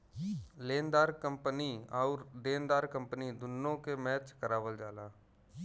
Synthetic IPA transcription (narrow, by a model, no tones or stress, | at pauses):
leːnd̪aːɾkəmpəniɔːɾd̪eːnd̪aːɾkə̃mpənid̪ʊnːõkemɛːt͡ʃkəɾaːʋəld͡ʒaːlaː